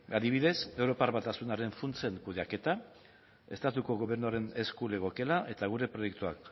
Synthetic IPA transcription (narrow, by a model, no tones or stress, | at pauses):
aðiβ̞iðe̞se̞wɾo̞paɾβat̪asunaɾe̞ɱfunt͡seŋkuðeake̞t̪a | e̞̰st̪at̪uko̞ɣo̞βe̞ɾnuaɾe̞ne̞skule̞ɣ̞o̞ke̞laʔe̞t̪aɣ̞uɾe̞pɾo̞je̞kt̪uak